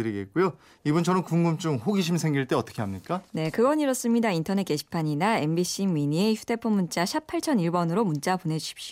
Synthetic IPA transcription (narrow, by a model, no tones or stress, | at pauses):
ɯɾiɡe̞t̚k͈ujo | ibunt͡ɕʰʌnɯnkuŋɡumt͡ɕ͈uŋhoɡiɕ̬ʰimsʰe̞ŋɡiɭt͈e̞ʌt͈ʌ̥kʰe̞ɦamɲitk͈ane̞kɯɡʌɲiɾʌs͈ɯmɲidaintʰʌnet̚k͈e̞ɕʰi̥pʰaɲinae̞nbiɕʰimiɲieçudʰe̞pʰomunt͡ɕ͈aɕʰapʰaɭt͡ɕʰʌniɭbʌnɯɾomunt͡ɕ͈apone̞d͡ʑuɕʰi̥p̚ɕ͈